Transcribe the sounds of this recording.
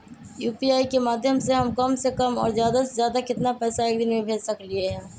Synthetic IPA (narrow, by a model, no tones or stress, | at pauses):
juːpiaːikemaːd̪ʱjəmseɦɐmkɐmsekɐmɔ̰ːɾzjaːd̪asezjaːd̪akɪt̪napɛːsaeːk̚d̪ɪnmẽbʱeːd͡ʒsɐklieɦɛ̃ː